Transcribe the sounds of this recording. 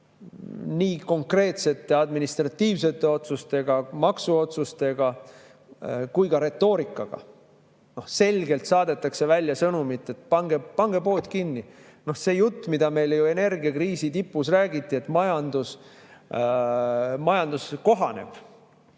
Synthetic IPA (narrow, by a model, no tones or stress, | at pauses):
niːko̞ŋkre̞ːt̪se̞t̪ˑːe̞ɑd̪minist̪rɑt̪ːiːvse̞t̪ːˑe̞o̞t̪sust̪e̞ɡ̥ɑmɑksuo̞t̪sust̪e̞ɡ̥ɑ | kujkɑɾe̞t̪ːˑo̞ːɾikːˑɑɡ̥ɑ̰ | no̞hse̞lʲɡe̞lt̪sɑːd̪̥e̞t̪ːˑɑkse̞vælʲjɑsɤnumit̪ːˑe̞t̪pɑŋɡ̥epɑŋɡ̥e̞po̞ːt̪kinːi | no̞hse̞ːjut̪ːmid̪̥ɑme̞jljue̞ne̞rɡiɑkriːsit̪ipːˑusræːɡit̪ˑːie̞t̪ːˑmɑjɑnd̪us | mɑjɑnd̪usko̞ɦɑne̞̰b̥